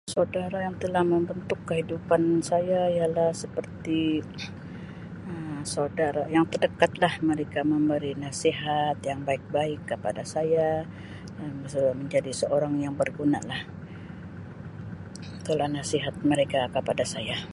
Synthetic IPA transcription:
sadaɾajaŋt̪əlahməmbənt̪ʊkːəɦidupansajaijalahsəpərt̪i | əmsawdaɾajaŋt̪ərdəkat̪̚lahməɾekaməmbəɾinasiɦat̪jaŋbaɪk̚baɪkːəpa̰dasaja | əəsəməɲd͡ʒadisəʔoɾaŋjaŋbərɡuna̰lah | t̪əlahnasiɦat̪̚məɾekakəpadasaja

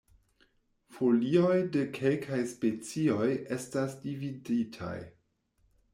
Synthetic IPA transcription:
folio̞jde̞kʰe̞lkʰajspe̞t͡sio̞je̞stasdividitʰa̰j

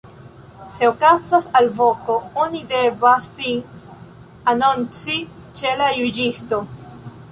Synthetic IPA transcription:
se̞okazasalvo̞ko̞onidevasin | anont͡si | t͡ʃe̞lajud͡ʒisto̞

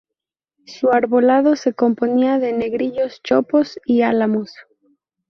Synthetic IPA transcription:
suaɾβo̞lað̞o̞se̞ko̞mpo̞niaðe̞ne̞ɣɾiʎo̞st͡ʃoposialamos

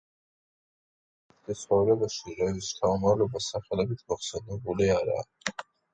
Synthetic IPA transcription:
d̪ɛsʰχɔvɾɛbaʃiɾɔist̪ʰaumalɛbasaχɛlɛbit̪ʰmɔχsɛnɛbuliaɾa̰ː

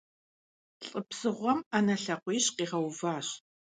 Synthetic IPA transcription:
ɬʼəpsɨʁʷɔmanɐɬɐqʷiːɕqiːʁɐwvaːɕ

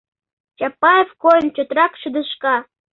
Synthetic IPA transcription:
t͡ɕɑpɑjefkojnt͡ɕø̆t̪rɑkʃɨd̪ə̆ʃkɑ

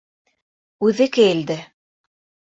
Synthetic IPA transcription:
ʉðɘkɘjɘ̆ld̪ɘ

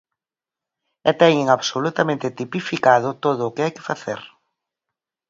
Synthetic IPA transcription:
ɛt̪ɛɲɪŋaβsolut̪amẽnt̪ɪt̪ipifikað̞ʊt̪oðʊːkɪajkɪfaθḛɾ

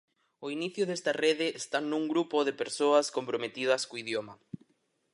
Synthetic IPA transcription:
oiniθjʊðest̪ɐreðɪːst̪anuŋɡɾupoðepeɾsoɐskompɾomet̪iðɐskoiðjomɐ

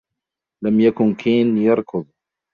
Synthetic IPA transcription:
lamjakʊnkʰiːnjɑɾˤkʰʊðˤ

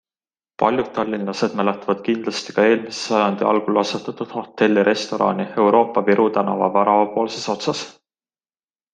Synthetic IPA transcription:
pɑ̰lʲjud̥̪̚t̪ːɑlʲːinlɑse̞d̪̥mæle̞t̪ːˑɑvɑd̪̥̚kind̪̥lɑst̪i̥kɑe̞ːlmise̥sɑjɑnd̪̥iʔɑ̰lɡ̥ulɑset̪ːˑɑt̪ːˑud̪̥ho̞t̪ːe̞lʲːiɾʔe̞st̪o̞ɾʔɑ̰nie̞wɾʔo̞ːpːˑɑviɾʔut̪ænɑvɑ̰vɑɾɑvɑpo̞ːlse̞so̞t̪sɑs

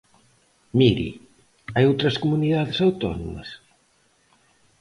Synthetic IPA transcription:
miɾḭ | ajowt̪ɾɐskomuniðaðɪsawt̪ɔno̰mɐ̰s

